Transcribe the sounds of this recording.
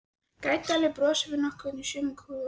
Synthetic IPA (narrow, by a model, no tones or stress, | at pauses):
kaːjt̪alɪpɾɔːsɪvɪnɔhkvʏnisʏmɪkʰu